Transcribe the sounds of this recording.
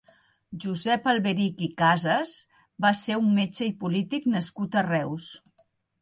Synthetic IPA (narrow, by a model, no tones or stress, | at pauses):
ʒuzɛpəlˠβeɾikikazəz | baseumːet͡ʃəipulit̪iknəskut̪ərɛws